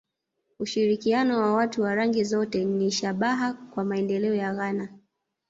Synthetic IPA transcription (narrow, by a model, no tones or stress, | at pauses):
uʃiɾikianɔwawatuwaɾaŋɡizɔtɛniʃaɓaɦakwamaɛndɛlɛɔjaɣana